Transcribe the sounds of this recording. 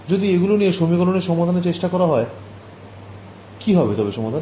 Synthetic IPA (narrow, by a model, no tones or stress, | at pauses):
d͡ʑod̪ieɡulonijeʃomikɔloneɾʃɔmad̪ʱaneɾt͡ɕeʃʈakɔɾaɦɔe | kiɦɔbet̪ɔbeʃɔmad̪ʱan